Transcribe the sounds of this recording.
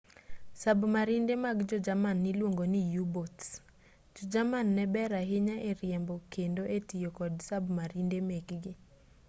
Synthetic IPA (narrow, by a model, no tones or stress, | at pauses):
sabmaɾindemaɡd͡ʒɔd͡ʒamanːɪlwoŋɡonijubots | d͡ʒɔd͡ʒamanːɛbɛɾaɦɪɲaʔeɾjɛmbɔkendoʔetijokɔdsabmaɾindemekɡɪ